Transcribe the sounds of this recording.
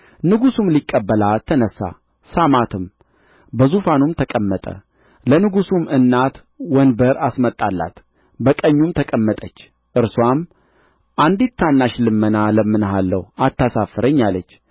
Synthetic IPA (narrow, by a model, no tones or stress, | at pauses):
nɨɡusumlikʼːəbːəlat̪ʰːənəsːa̰ | samat̪ʰɨm | bəzufanumt̪ʰəkʼəmːət̪ʼə̰ | lənɨɡusumɨnːat̪ | wɔnbəɾasmət̪ʼːalːa̰t̪ | bəkʼəɲːumt̪ʰəkʼəmːət̪ʼət͡ʃː | ʔɨɾswam | ʔand̪it̪ʰːanːaʃlɨmːənaləmːɨnɦalːə̰wat̪ːasafəɾəɲːalət͡ʃː